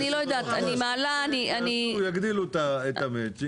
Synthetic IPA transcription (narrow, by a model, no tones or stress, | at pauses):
iloːjd̪at̪ʰɐnimaːlaːniɐnijɐkd̪ilut̪aet̪ɐmet͡ʃi